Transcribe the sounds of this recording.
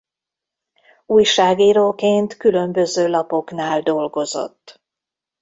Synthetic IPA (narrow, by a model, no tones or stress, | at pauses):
uːjʃaːɡiːɾoːkeːnt̪kylø̞mbø̞zøːlɒpo̞knaːld̪o̞lɡo̞zo̞̰t̪ː